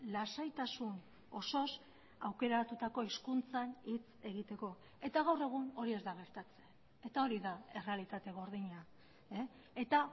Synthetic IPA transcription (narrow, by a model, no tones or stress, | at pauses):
lasajt̪asun | o̞so̞s | awke̞ɾat̪ut̪ako̞iskunt͡sanit͡se̞ɣit̪e̞ko̞ | e̞t̪aɣawre̞ɣ̞uno̞ɾie̞zd̪aɣ̞e̞ɾt̪at͡se̞ | et̪ao̞ɾiðae̞re̞alit̪at̪e̞ɣ̞o̞ɾð̞iɲa | e | et̪a